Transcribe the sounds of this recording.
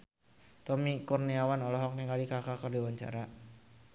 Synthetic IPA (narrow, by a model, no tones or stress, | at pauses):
t̪ɔmikurniawanɔlɔɦɔk̚niŋkalikakakərdiwaɲt͡ʃa̰ɾa